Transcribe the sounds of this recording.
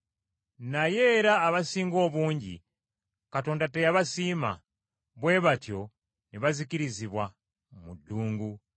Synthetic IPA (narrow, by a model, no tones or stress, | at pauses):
najeɾaːβasiːŋɡo̞βuːɲɟḭ | katoːndatejaβasima̰ | βweβatjo̞ | niβazikiɾiziβwa | muduːŋɡu